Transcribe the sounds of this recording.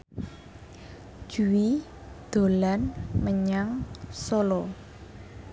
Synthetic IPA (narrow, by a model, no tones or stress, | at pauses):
ʒ̥uwi | d̪̥o̤lanməɲaŋsolɔ